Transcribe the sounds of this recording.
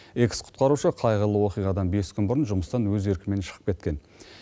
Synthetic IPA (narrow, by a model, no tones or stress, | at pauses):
eksqʰʊ̥t̪̚qɑɾuʃəqʰɑjʁəlˠəwo̞qijʁɑd̪ɑnbe̞skʲʰʏnbʊɾənʒʊməst̪ɑnwɵze̞ɾkʲɪme̞nʃəʁə̥p̚kʲe̞t̪̚kʲe̞n